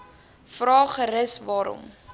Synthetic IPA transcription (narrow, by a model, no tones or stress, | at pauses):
frɑːχəɾəsvɑːɾɔ̰m